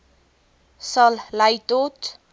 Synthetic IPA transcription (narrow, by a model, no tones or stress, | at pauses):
sʌllajt̪ot̪